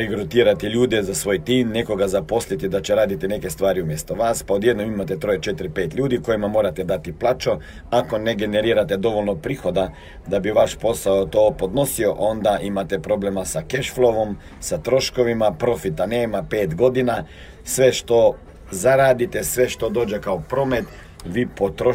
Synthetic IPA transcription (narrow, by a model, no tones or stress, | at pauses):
iɡɾot̪iːɾat̪iʎuːd̪ezasʋoːjt̪iːmneko̞ɡazapo̞slit̪id̪at͡ɕeɾaːd̪it̪inekest̪ʋaːɾiumjest̪oʋaspaod̪jed̪nomimat̪ɛt̪ɾojet͡ʃet̪ɾipeːt̪ʎʲuːd̪iko̞jimamo̞ːɾat̪ɛd̪at̪iplˠaːt͡ʃo | akoneɡeneɾiːɾat̪ɛd̪o̞ʋolʲnopɾixo̞d̪a | d̪abiʋaʃpo̞saot̪oːpod̪no̞sioʔo̞nd̪aʔimat̪epɾo̞blemasakeʃflˠoʋom | sat̪ɾo̞ʃkoʋimapɾo̞fit̪aneːmapeːt̪ɡo̞d̪ina | sʋeʃt̪o̞ | zaɾaːd̪it̪esʋe̞ʃt̪o̞d̪oːd͡ʒekaopɾomet̪ | ʋipot̪ɾo